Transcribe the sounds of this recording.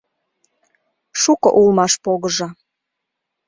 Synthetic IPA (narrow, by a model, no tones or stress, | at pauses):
ʃukɤ̰ʔulˠmɑʃpoɣəʒɑ̆